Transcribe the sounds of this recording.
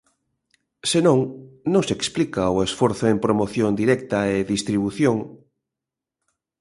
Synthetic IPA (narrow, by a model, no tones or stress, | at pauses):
senõŋnõŋseksplikaoesfɔɾθoempɾomoθjond̪iɾɛkt̪aeðist̪ɾiβuθjoŋ